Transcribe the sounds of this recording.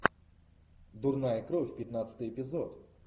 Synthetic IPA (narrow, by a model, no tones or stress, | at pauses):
d̪urnajɐkɾɔfʲpʲjɐt̪nat̪sə̥t̪ɨjɛpʲizɔt̪